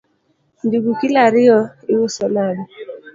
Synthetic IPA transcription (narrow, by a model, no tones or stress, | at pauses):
nduɡukilaɾiɔiwusɔlani